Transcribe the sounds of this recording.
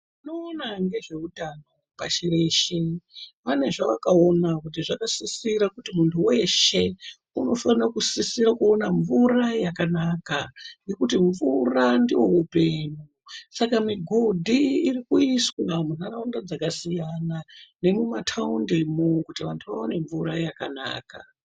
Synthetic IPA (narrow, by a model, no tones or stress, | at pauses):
inoːnaŋɡe̞ʐe̞udʱano̞paʃire̞ʃepane̞ʐaʋakao̞nakut̬iʐakasisiɾakutimuntʰuwe̞ʃe̞ | uno̞fanirakusisirakuo̞naɱvurajakanaːkane̞kutiɱvurandiwo̞ɦupe̞ɲu | sakamiɡʱo̞dʱiːrikuiswamunaraundad͡zakasijanane̞mumatʰaundemokutiʋantʰuʋa̰one̞ɱvuɾajakana̰ːka̰